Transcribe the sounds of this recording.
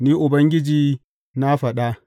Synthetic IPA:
niː˦ʔʊ˨bɐ˦ŋɡʲɪ˦d͡ʒiː˦ | na˦ɸɐ˨ɗa˦

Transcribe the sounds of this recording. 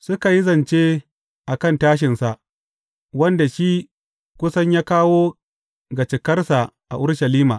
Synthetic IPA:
sʊ˦ka˨ji˦zɐ˨nt͡ʃe˦ | ʔa˨kɐ˦˨ntaː˦ʃ̬ɪ˨nsa˨ʔ | wɐ˦nda˨ʃi˦ | kʷʊ˦sɐ˦ɲjaː˦kaː˦woː˦ | ɡa˨t͡ʃɪ˨kɐ˦rsa˨ʔa̰˨ʔʊ˦ɽʃɐ˨liː˦maː˨

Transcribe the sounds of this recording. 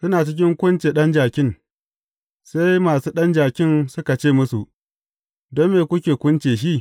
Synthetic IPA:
sʊ˦naː˨t͡ʃɪ˦kʲɪ˦ŋkʷʊ˦nt͡ʃeː˨ɗɐ˦nd͡ʒaː˨kʲɪ˦n | se˦jmaː˨suː˦ɗɐ˦nd͡ʒaː˨kʲɪ˦nsʊ˦ka˨t͡ʃeː˦˨mʊ˦su˨ | dɔ˦mːeː˨kʷʊ˦kʲeː˨kʷʊ˦nt͡ʃeː˨ʃ̬i˦

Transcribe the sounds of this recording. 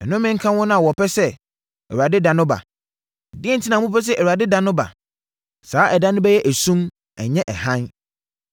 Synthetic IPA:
ɛ˨nʊ̃˦mɪ̃˦ŋ̩˦kʰã˦wɔ̃˦nʊ̃˦a˨wɔ˨pʰɛ˦sɛ˦ | ɛ̰˨wu˨a˨dɪ˦dã˨nʊ̃˦ba̰˨ | dɪ˦ɛ˦n̩˨tʰi˦nã˨˦mũ˦pɛ˦s̬ɛ˦ʔæ˨a˨dɪ˦dã˦nʊ̃˦ba̰˨ | saː˨˦ʔɛ˨dã˦nʊ̃˦bɛ˦jɛ˦ʔæ˨sũ˦m | ɛ̰˨ɲɛ̃˦ʔɛ˨hã˦n

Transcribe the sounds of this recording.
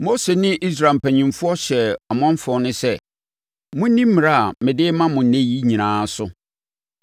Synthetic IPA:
mo˦se˨nɪ̃˦ʔi˦s̬ɾa˨m̩˨pʰæ˨ɲĩ˨mfʊ˦ɔ˦ɕɛ˨ɔ˨mɔ̃˦m˦fɔ˨˦nʊ̃˦sɛ˦ | mʊ̃˦nĩ˦m̩˦m̃˨a˦a˨mɪ̃˨dɪ˦mã˦mʊ̃˨n̩˨næ̃˦ji˦ɲĩ˨nãː˨˦sʊ˦

